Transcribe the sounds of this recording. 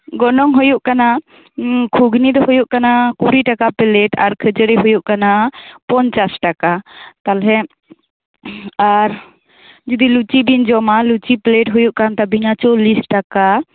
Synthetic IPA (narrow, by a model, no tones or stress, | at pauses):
ɡɔnɔŋɦɔjuʔkana | kʰuɡnid̪ɔhɔjuʔkanakuɾiʈakapɛlɛʈaɾkʰəd͡ʒəɾɛɦujuʔkanapɔnt͡ʃasʈakat̪alɦɛ | aɾ | d͡ʒəd̪ilut͡ʃibind͡ʒɔmalut͡ʃipleʈ̚ɦujuʔkant̪abiɲat͡ʃɔlisʈaka